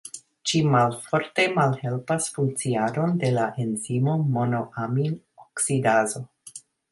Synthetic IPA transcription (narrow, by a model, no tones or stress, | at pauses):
ʃimalfo̞ɾte̞malhe̞lpasfuŋk̚t͡siado̞nde̞laʔe̞nzimo̞mo̞no̞ʔamin | oksidazo̞